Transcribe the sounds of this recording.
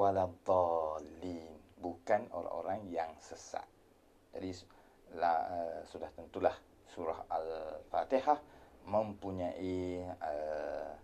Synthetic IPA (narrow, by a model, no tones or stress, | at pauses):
walad̪ɑlinbukanoɾa̰ŋo̰ɾaŋjaŋsəsa̰ʔ | d͡ʒa̰di | laəsudaht̪ənt̪ulah | suɾahalfat̪ihahmə̃mpuɲãʔiə